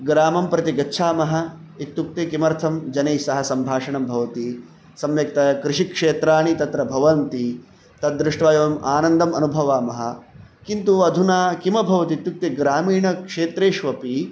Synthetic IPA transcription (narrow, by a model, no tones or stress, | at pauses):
ɡɾaːmɐmpɾɐt̪iɡɐtːʃʰaːmɐɦɐ̆ | it̪juk̚t̪ekimɐɾt̪ʰɐmd͡ʒɐnejsɐɦɐsɐmbʱaːʂɐɳɐmbʱɐʋɐt̪i | sɐmjɐk̚t̪ɐkɾɪʂikʂeːt̪ɾaːɳit̪ɐt̪ɾɐbʱɐʋɐnt̪i | t̪ɐd̪ːɾɪʂʈʋaːjɐʋɐmʔaːnɐnd̪ɐmɐnubʱɐʋaːmɐɦɐ̰kint̪uɐd̪ʱunaːkimɐbʱɐʋɐt̪it̪juk̚t̪eɡɾaːmiːɳɐkʂeːt̪ɾeːʃʋɐpi